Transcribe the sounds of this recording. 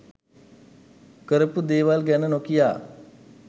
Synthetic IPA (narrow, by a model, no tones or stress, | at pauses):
kəɾəpd̪eːʋaːlɡɛːnənoːkɪjaː